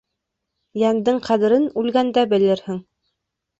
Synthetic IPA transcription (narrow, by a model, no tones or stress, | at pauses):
jænd̪ɘɴqʰæðɘ̆ɾɘnʉlɡænd̪æbɘ̆lɘɾhɘŋ